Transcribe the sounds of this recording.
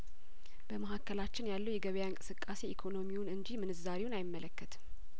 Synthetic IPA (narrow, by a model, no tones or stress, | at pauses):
b̥əməɦakːəlat͡ʃːɪnjalːəwjɛɡəβəjaɨŋkʼɨ̥sɨkʼːase̞ikʰo̞no̞miwunɨɲd͡ʒimɨnɨzaɾewunajɪmːələkːət̪ʰ